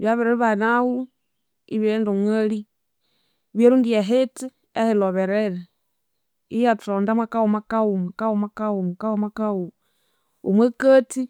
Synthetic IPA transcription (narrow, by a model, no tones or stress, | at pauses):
βjaβeɾeɾiβanawu | ḭβenduŋali | βjeɾundiaɦeti | eheloβeɾeɾe | ijatondamakawomakaumakawomakawomakawomakau | o̰mwekəti